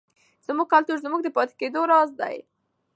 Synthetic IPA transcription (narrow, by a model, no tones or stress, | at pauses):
z̥muɡ̚kalt̪uɾzmuɡ̚d̪əpɑt̪e̥ked̪oɾɑzd̪a̰j